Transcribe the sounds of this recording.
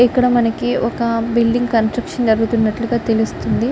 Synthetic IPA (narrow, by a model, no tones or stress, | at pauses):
ikːɐɽɐmɐnɐkiʔɔkɐbilɖiŋɡkɐnsʈɾɐkʂɐnd͡ʒɐɾɡut̪unːɐʈluɡaːt̪e̞lust̪und̪i